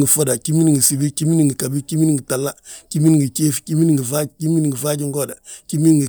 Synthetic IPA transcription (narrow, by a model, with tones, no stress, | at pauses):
ŋɡə˨fo˦da˨ki˦mi˦ni˨ŋɡi˨si˨bi˦ki˦mi˦ni˨ŋɡi˨ka˨bi˦ki˦mi˦ni˦ŋɡi˨ta˨lːa˦ki˦mi˦n˨ŋɡi˨t͡ʃe˦fki˦mi˦ni˦ŋɡi˨va˦ki˦mi˦ni˨ŋɡi˨va˦ɟi˦ŋɡo˦˨da˨ki˦mi˦n˦ŋɡi˨